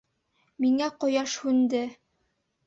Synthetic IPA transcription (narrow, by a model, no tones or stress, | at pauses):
miŋæqŏjɑʃhʉnd̪ɘ